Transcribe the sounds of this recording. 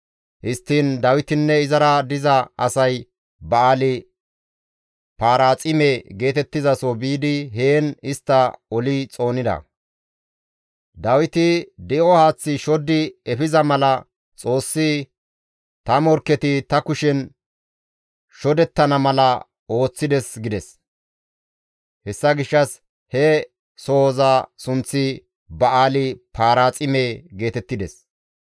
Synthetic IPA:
hɪst̪ːiːnd̪ɐwɪt̪ɪnːɛɪzɐɾɐd̪ɪzɐɐsɐj | bɐaːlɪ | paːɾaːt͡sʼɪmeɡe̞ːt̪ɛt̪ːɪzɐsɔbiːd̪ɪɦeːnɪst̪ːɐɔlɪt͡sʼo̞ːnɪd̪ɐ̰ | d̪ɐwɪt̪ɪd̪ɛʔɔhaːt͡sːɪʃɔd̪ɪɛfɪzɐmɐlɐ | t͡sʼo̞ːsːɪ | t̪ɐmɔɾkːɛt̪ɪt̪ɐkʊʃɛn | ʃɔd̪ɛt̪ːɐnɐmɐlɐ | o̞ːt͡sːɪd̪ɛsɡɪd̪ɛs | hɛsːɐɡɪʃːɐs | hɛ | sozasʊnt͡sːɪ | bɐʔaːlɪpʰaːɾaːt͡sʼɪmeːɡe̞ːt̪ɛt̪ːɪd̪ɛs

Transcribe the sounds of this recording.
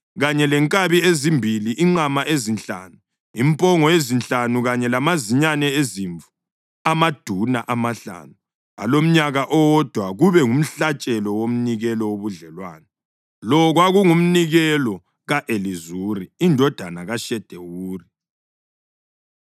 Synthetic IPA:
ɣaɲɛlɛŋkʼaβiezimbʱiliʔiŋ͡ǃamaʔezint͡ɬʼa̰ːnu | impʼɔŋɔjezint͡ɬʼanuɣaɲɛlamaziɲanɛeziɱvu | amad̥ʱunaʔamaɬa̰ːnu | a̰lom̩ɲaɣaʔɔd̥ʱwaɣuβɛŋum̩ɬat͡ʃʼɛlɔwom̩niɣɛlɔwoβuɮɛlwaːnɛ | lɔɣwaɣuŋum̩niɣɛlɔ | ɣaʔelizuːriːndʱɔd̥ʱanaɣaʃɛd̥ʱewuːri

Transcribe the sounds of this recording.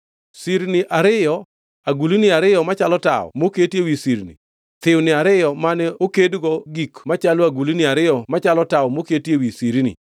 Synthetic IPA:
siɾnɪʔaɾɪjɔ | aɡulinɪaɾɪjɔmat͡ʃalɔta̰ɔ̰moketjewisiɾnḭ | t̪ɪwnɪaɾɪjɔmanɛokedɡɔɡikmat͡ʃaloaɡulinɪaɾɪjɔmat͡ʃalɔtawɔmoketjewisiɾnḭ

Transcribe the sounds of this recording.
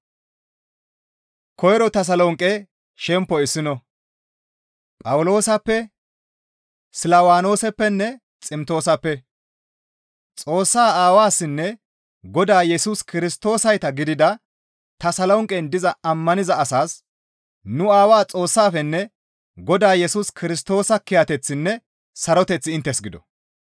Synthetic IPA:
kɔjɾɔt̪ɐs̬ɐlɔŋkʼɛ | ʃɛmpːɔɪsːɪnɔ | pʼɐwlo̞ːsɐpːɛ | sɪlawaːno̞ːsɛpːɛnːɛ | t͡sʼɪmt̪o̞ːsɐpːɛ | t͡sʼo̞ːsːaːaːwaːsːɪnːɛ | ɡɔd̪aːjɛsuːskɪɾɪst̪o̞ːsɐjt̪ɐɡɪd̪ɪd̪ɐ | t̪ɐsɐlɐʊŋkʼɛnd̪ɪzɐɐmːɐnɪzɐɐsaːs | nʊaːwaːt͡sʼo̞ːsːaːfɛnːɛ | ɡɔd̪aːjɛsuːskɪɾɪs̬t̪o̞ːsɐkɪjɐt̪ɛt͡sːɪnːɛ | sɐɾɔt̪ɛt͡sːɪɪnt̪ːɛsɡɪd̪ɔ̰

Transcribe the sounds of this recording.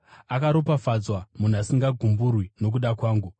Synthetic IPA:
akaɾopafad͡zwamun̤uasiŋɡaɡʱumburwino̞k̬uɗakwaːŋɡu

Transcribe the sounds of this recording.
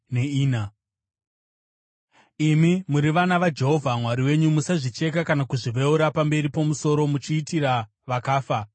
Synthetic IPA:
neiːna | imimuɾiʋanaʋad͡ʒe̞ɦo̞vʱamwaɾiwe̞ɲumusaʐit͡ʃe̞kakanakuʐiʋeuɾapambe̞ɾipomuso̞ɾo̞mut͡ʃiːtiɾa | ʋakaːfa

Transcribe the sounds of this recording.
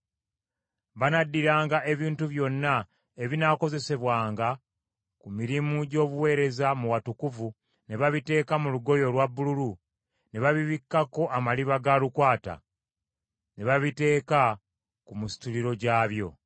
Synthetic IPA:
βanadːiɾaːŋɡaʔe̞βiːntuβjo̞nːa | eβinako̞ze̞se̞βwaːŋɡa | kumiɾimuɟo̞ːβuwe̞ːɾe̞zamuwatukuvu | ne̞βaβite̞ːkamuluɡo̞jo̞lwabːululu | ne̞βaβiβikːako̞ʔamaliβaɡalukwaːta̰ | ne̞βaβite̞ːka | kumusi̥tuliɾo̞ɟaːβjo̞

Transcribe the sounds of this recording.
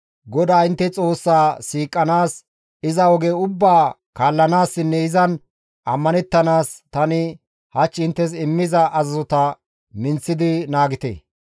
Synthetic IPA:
ɡɔd̪aːɪnt̪ːɛt͡sʼo̞ːsːaːsiːkʼːɐnaːs | ɪzɐwɔɡeːʊbːaː | kaːlːɐnaːsːɪnːɛɪzɐn | ʔɐmːɐnɛt̪ːɐnaːst̪ɐnɪ | hɐt͡ʃːɪnt̪ːɛs̬ɪmːɪzɐʔɐzɐzɔt̪ɐ | mɪnt͡sːɪd̪ɪnaːɡɪt̪ḛː

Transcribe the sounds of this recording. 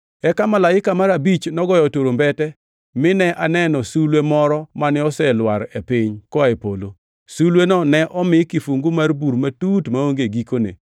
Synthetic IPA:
ɛkamalaɪkamaɾabit͡ʃnɔɡɔjɔtoɾombɛtɛ | mɪnɛʔanɛnɔsulwemɔɾɔmanɪɔsɛlwaɾɛpɪɲkɔɛpolo | sulwenɔnɛʔɔmɪkɪfuŋɡumarbuɾmatutmaoŋɡeɡikonḛ

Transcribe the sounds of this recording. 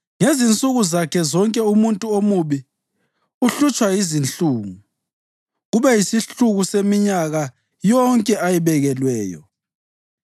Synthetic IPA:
ŋezint͡sʼuɣuzakʰɛzɔŋkʼɛumuntʼuomuβi | uɬut͡ʃʼwajizint͡ɬʼuːŋu | ɣuβɛjisiɬuɣusemiɲaɣa | jɔŋkʼɛʔajiβɛɣɛlwɛːjɔ̰

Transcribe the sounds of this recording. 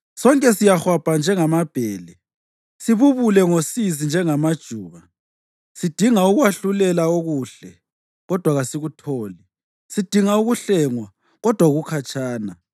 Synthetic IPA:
sɔŋkʼɛsijaxwab̥ʱand͡ʒʱɛŋamab̥ʱɛːlɛ | siβuβulɛŋosizind͡ʒʱɛŋamad̥ʒ̥ʱuːɣa | sid̥ʱiŋauɣwaɬulɛlaoɣuːɬɛ | ɣɔd̥ʱwaɣasiɣutʰoːli | sid̥ʱiŋauɣuɬɛŋwa | ɣɔd̥ʱwauɣukʰat͡ʃʰʼaːna

